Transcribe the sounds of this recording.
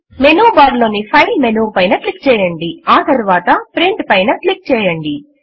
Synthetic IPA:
menuːbaːɾloːnipʰɐjlmenuːpɐjnɐʈlik̚t͡ʃɛːjɐɳɖiaːt̪ɐɾʋaːt̪ɐpɾeɳʈpɐjnɐʈlik̚t͡ʃɛːjɐɳɖi

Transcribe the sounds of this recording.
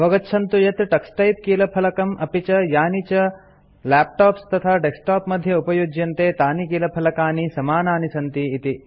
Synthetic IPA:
ɐʋɐɡɐtːʃʰɐnt̪ujɐt̪ʈɐksʈɐjp̚kiːlɐpʰɐlɐkɐmɐpit͡ʃɐjaːnit͡ʃɐ | laːp̚ʈaːpst̪ɐt̪ʰaːɖesʈaːpmɐd̪ʱjɐupɐjud͡ʒjɐnt̪eːt̪aːnikiːlɐpʰɐlɐkaːnisɐmaːnaːnisɐnt̪iːt̪i

